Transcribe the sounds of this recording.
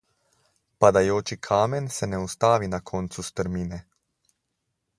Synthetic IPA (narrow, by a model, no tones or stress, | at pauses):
pad̪ajoːt͡ʃikʰaːmɛnsɛnɛust̪aːʋinakʰɔːnt̪sust̪əɾmiːnɛ